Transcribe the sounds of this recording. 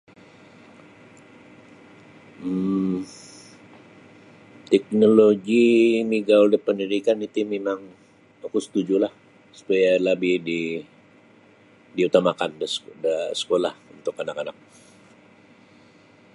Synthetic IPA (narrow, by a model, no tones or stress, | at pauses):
t̪ɛk̚noloɡimiɡaoldɛhpəndiɾikanit̪imemaŋ | akusə̥t̪ud͡ʒulah | su̥pajalabɪhdi | diut̪amakandəsdəsə̥kolahunt̪ʊkanakanak̚